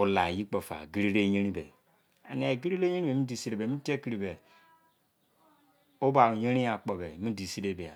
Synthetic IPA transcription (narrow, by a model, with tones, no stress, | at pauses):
o˨˦la˨ji˦k͡po˨fa̰˨ɡi˦ɾi˦ɾe˦je˦ɾi˦bḛ˨ | a̰˨n˨ɡi˦ɾi˦ɾe˦je˦ni˦be˨˦i˦di˨si˦ɾe˨be˨mi˦te˦ki˦ɾi˨be˨ | o˦ba˨ɾu˨je˦ɾi˦ja˨k͡po˨be˨mi˦di˨si˦ɾe˦˨be˨a̰˨